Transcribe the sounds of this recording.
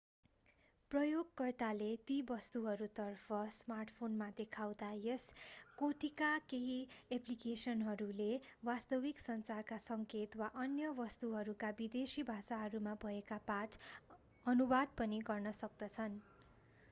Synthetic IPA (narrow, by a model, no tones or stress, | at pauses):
prʌjoɡkʌrt̪alet̪ibʌst̪uɦʌɾut̪ʌrpʰʌsmarʈpʰonmad̪ekʰawd̪ajeskoʈikakeɦieplikesʌnɦʌɾulewast̪ʌwiksʌnt͡sarkasʌŋket̪waʔʌnjʌbʌst̪uɦʌɾukabid̪esibʱasaɦʌɾumabʱʌekapat | ʌnubad̪̚pʌniɡʌrnʌsʌk̚d̪ʌt͡sʰʌn